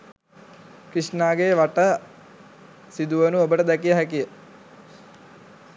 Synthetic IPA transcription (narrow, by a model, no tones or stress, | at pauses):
kɾiʂnaːɡeʋaʈə | sid̪uʋənuobəʈəd̪ɛkijəɦækijə